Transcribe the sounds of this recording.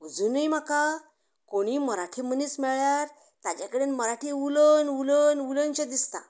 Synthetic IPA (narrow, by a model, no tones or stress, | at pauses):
ud͡zuːnəjm̤aka | koɽ̃iməɾaʈʰim̤əniːsmɛɭjaɾ | t̪at͡ɕakəɽenməɾaʈʰiulənʋulənʋulənt͡ɕəd̪ist̪a̰